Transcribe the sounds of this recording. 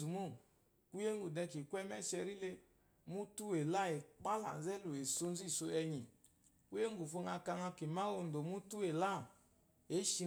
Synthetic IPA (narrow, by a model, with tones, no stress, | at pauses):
u˨mo˦˨ | ku˦je˦ŋɡu˨dɛ˧ki˨kʷɛ˦mɛ˦ʃɛ˧ɾi˦le˧ | mu˦tu˦e˨la˦˨e˨k͡pa˦la̰˨n˨zɛ˦lo˨e˨so˧n˦zi˦˨so˧ɛ˧ɲi˨ | ku˦e˦ŋ˦ɡu˨fo˧ŋa˧ka˧ŋa˧ke˨ma˦o˧˨n˨do˨mu˦tu˦e˨la˦˨ | e˨˦ʃi˧